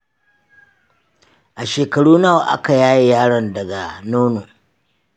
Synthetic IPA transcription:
ʔa˨ʃeː˨kɐ˨ɽuː˦naː˦wa˨ʔa̰˦ka˨jaː˦ji˦jaː˦ɽɐ˨ndɐ˨ɡa˨noː˦no˨

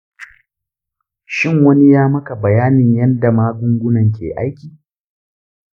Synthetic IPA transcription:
ʃɪ˦˨ŋwɐ˦ni˦jaː˦mɐ˦ka˨bɐ˨jaː˦nɪ˨ɲjɐ˦nda˨maː˦ɡʷʊ˦ŋɡʷʊ˦nɐ˨ŋk̬ʲḛː˨ʔa˦jkʲiː˨

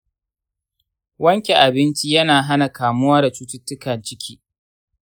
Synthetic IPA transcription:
wɐ˦ŋkʲe˨ʔa˨bɪ˦nt͡ʃi˦jɐ˦naː˨ɦa˦na˨kaː˨mʊ˦waː˦da˨t͡ʃuː˦tʊ˦tːʊ˦kɐ˨nt͡ʃɪ˦kʲʰiː˦

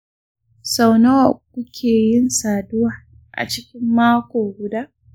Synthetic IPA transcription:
sa˨wnɐ˦wa˨kʷʊ˦kʲʰeː˨jɪ˦nsaː˨dʊ˦waː˨ | ʔa̰˨t͡ʃɪ˦kʲɪ˦mːaː˦kʷoː˨ɡʷʊ˦daː˦ʔ

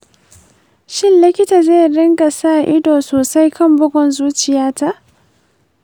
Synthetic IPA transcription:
ʃɪ˦nlɪ˦kʲɪ˦taː˨zeː˦˨jɽɪ˦ŋɡa˨saː˦˨ʔɪ˦doː˨soː˨sa˦jkʰɐ˦mbʊ˦ɡʷɔ˨nzuː˦t͡ʃɪ˨jaː˦ta˦ʔ

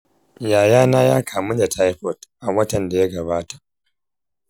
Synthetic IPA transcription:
jaː˨jaː˦naː˦jaː˦kʰaː˨mu˦da˨tʰa˦jɸɔ˨tʔa˨wɐ˦tɐ˨nda˨ja˦ɡɐ˨baː˦tḁ˨ʔ

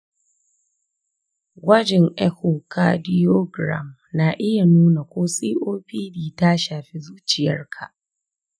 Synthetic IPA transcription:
wɐ˦d͡ʒɛ˨ŋʔɛ˦ko˨ka˦dɪ˦joː˦ɡɾa̰˨m | na˨ʔɪ˦ja˨nuː˦na˨kʷoː˦sʼiː˦ʔoː˦ɸiː˦diː˨ta˦ʃaː˨ɸi˦zuː˦t͡ʃɪ˨jɐ̰˦rkʰa˨ʔ

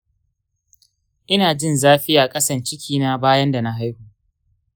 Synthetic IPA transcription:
ʔɪ˦naː˨d͡ʒɪ˦˨nzaː˦ɸɪ˦jaː˨kʼɐ˦sɐ˨nt͡ʃɪ˦kʲʰiː˦naː˦baː˦jɐ˦nda˨na˦ɦa˦jhu˦ʔʔ

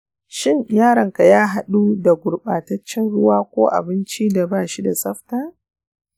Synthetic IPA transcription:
ʃɪ˦ɲjaː˦ɾɐ˨ŋka˨jaː˦ɦa˦ɗuː˦da˨ɡʷʊ˨ɽɓaː˨tɐ˦t͡ʃːɛ˦nɽʊ˦waː˦kʷo̰ː˦ʔa̰˨bɪ˦nt͡ʃiː˦da˨baː˦˨ʃi˦da˨sʼɐ˦ɸtaː˦

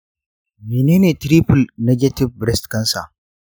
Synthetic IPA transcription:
meː˨neː˦neː˨tɾiː˦ɸʊ˨lnɛ˦ɡʲɛ˦tɪ˦b̚ːɾɛ˦stkɐ˦nsa˨

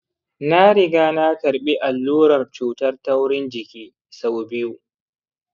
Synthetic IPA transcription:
na˦ɽɪ˨ɡaː˦na˦kɐ˨ɾɓi˦ʔa˨lːuː˦ɾɐ˨rt͡ʃuː˨tɐ˦rtɐ˦wɽɪ˦nd͡ʒɪ˨kʲiː˦ | sa˦wbɪ˦wu˨

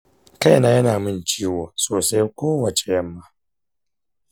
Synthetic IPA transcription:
ka˦jnaː˦jɐ˦naː˨mɪ˦nt͡ʃiː˦woː˨soː˨sa˦jkʷoː˦wɐ˨t͡ʃe˨jɐ˦mːaː˦

